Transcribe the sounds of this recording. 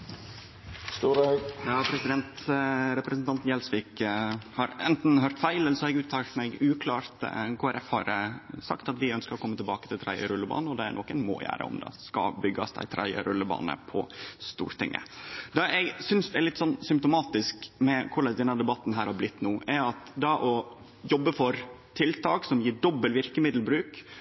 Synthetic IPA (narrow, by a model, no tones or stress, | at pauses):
st̪uːɾjɑːpʰɾɛsɪd̪ɛnt̪ɾɛpɾəsnt̪ɑnt̪n̩jɛlsʋɪkhɑɾʔɛ̰nt̪n̩ɦøːɾt̪fæɪlɛlsɔɛɡʉːt̪ʰɑːt̪mɛɡʉːkʰlɑːɾt̪kʰoæɾʔɛfhɑɾsɑ̰kt̪ɑt̪ʋɪœnskəɾɔkʰɔmːət̪ɪlbɑːkət̪ʰɪlt̪ʰɾæɪə̰ɾʉlːəbɑ̰ːnəɔd̪ɛæ̰ɾnɔkːənmo̰ːjæ̰ːɾə̰ɔ̰md̪ɑ̰skɑ̰bʏɡːɑsd̪æ̰ɪt̪ʰɾʔæ̰ɪə̰ɾʉlːəbɑ̰ːnə̰pʰɔst̪ṵːɾt̪ɪŋːʔə̰d̪ɑɛɡsʏnsd̪ɛæɾɭɪt̪ːsɔnːsʏmpt̪ʊmɑːt̪ɪskmɛkʰʊɭɑd̪ɛnːəd̪ɛbɑt̪ːn̩ɦæːɾhɑɾblɪt̪ːnuːʔæɑt̪d̪ɑʔɔ | jɔbːəfɔɾt̪ʰɪlt̪ʰɑːksɔmjiːɖɔbːəlʋɪɾkəmɪd̪lbɾʉːk